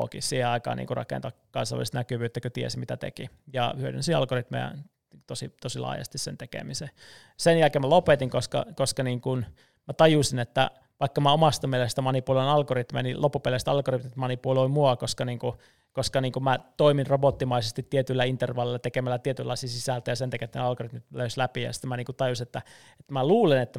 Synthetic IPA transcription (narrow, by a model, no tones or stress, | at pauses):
o̰kḭssiːheɑikɑ̰ːnḭŋkurɑ̰kḛnt̪ɑkɑ̰nsɑ̰lːˑḭst̪nækyʋyːt̪ːækøt̪iḛsimit̪æt̪ḛkijɑ̰hyødy̰nsiɑ̰lɡ̥orit̪mḛjæ̰ | t̪osit̪osilɑ̰ːjɑ̰st̪issḛnt̪ekḛmise | senjælkeːmælopet̪iŋkoskɑ̰koskɑniːŋkun | mæt̪ɑjusinet̪ːæ̰ | ʋɑikːɑmæomɑst̪ɑmielest̪æmɑnipuloinɑlɡorit̪mḛjænilopːupelest̪ɑlɡorit̪mit̪mɑnipuloimuɑkoskɑniːŋku | koskɑniːŋkumæt̪oiminrobot̪ːimɑisest̪it̪ːiet̪ylːæint̪erʋɑlːilːɑt̪ekemælːæt̪iet̪ylːɑ̰isisisælt̪æjɑsent̪ækːæet̪ːæneɑlɡorit̪mit̪løyslæpijɑ̰st̪emæniːŋkut̪ɑjusinet̪ːæ | et̪ːmæluːlenet̪ːæ